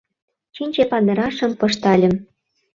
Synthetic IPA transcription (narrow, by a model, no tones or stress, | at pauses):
t͡ɕinʲt͡ɕepɑnd̪ɤ̆ɾɑʃɤ̆mpɤ̆ʃt̪ɑlʲə̆m